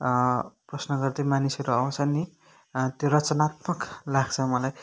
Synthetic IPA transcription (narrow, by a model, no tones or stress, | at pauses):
prʌsnʌɡʌrd̪ʌjmanisʌɾuʌw̃t͡sʰʌni | t̪jorʌt͡sʌnat̪mʌklaɡt͡sʰʌmʌlaj